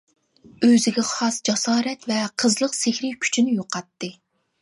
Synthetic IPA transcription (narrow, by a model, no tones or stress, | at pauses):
øzɪɡʲɛχɑsd͡ʒɑsɑːɾɛt̪vɛqʰəzlˠəqsɪhʲɾɪjkʲʰy̥t͡ʃʰinɪjoqɑt̪ːɨ